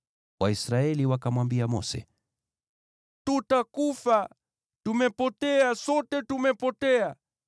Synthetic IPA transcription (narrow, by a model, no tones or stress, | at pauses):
waisɾaɛliwakamwambiamɔ̰sɛ̰ | tutakufa | tumɛpɔtɛasɔtɛtumɛpɔtɛa